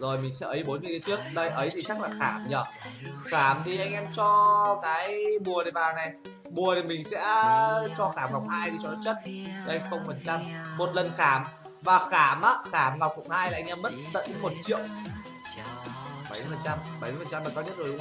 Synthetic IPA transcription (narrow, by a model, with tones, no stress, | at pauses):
zo˨˩jmï˨˩ŋ̟sɛ̰˧˥ʔə˨˦jɓo˨˦nzɨ˨˩kːt͡ɕɨ˦˥ək̚ɗə˧jʔə˨˦jt̪ʰi˨˩t͡ɕa˦˥k̚laː˨˩xaː˧˩mɲə˨˩xaː˧˩mt̪ʰi˨˩ʔa˧jŋʔɛ˧mt͡ɕɔ˧kaː˨˦jɓu˨˩əɾi˨˩vaː˨˩wnɛ˨˩ | ɓu˨˩ət̪i˨˩mï˨˩ŋ̟sɛ̰˧˥t͡ɕɔ˧xaː˧˩mla˨˩wŋ͡m̚haː˧jt̪i˨˩t͡ɕɔ˧n˨˦t͡ɕə˦˥t̚i˨˩ʔə˧jŋ̟xə˧wŋ͡mfə˨˩nt͡ɕa˧mːo˨˩t̚lə˨˩nxaː˧˩m | vaː˨˩xaː˧˩mʔaː˨˦xaː˧˩mna˨˩wkʊ̰˧˥ŋ͡mhaː˧jlaː˨˧˨ʔŋ̟ʔɛ˧mːə˦˥t̚t̪ə̰˧˥ŋmo˨˩t̚t͡ɕḭ˧˨ə˨w | ɓa˧˩jə˧fə˨˩nt͡ɕa˧mɓa˨˩jə˨˧˩fə˨˩t͡ɕa˧mɓaː˨˩kaː˧ɲə˦˥t̚zo˨˩ɗ̰ŋ͡m